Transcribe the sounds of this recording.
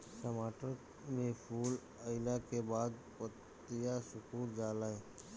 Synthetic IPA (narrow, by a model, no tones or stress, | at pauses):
ʈəmaːʈəɾ | mẽpʰuːl | əɪlakebaːd̪̚pət̪ː | ijasʊkuːld͡ʒaːlaeː